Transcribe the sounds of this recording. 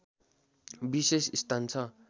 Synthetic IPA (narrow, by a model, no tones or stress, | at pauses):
bisesist̪ʰant͡sʰʌ